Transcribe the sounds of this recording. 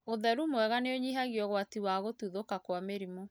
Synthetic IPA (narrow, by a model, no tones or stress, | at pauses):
oðɛɾumwɛɣaneoɲiɦaɣiɔɣwatiwaɣotuðokakwameɾimo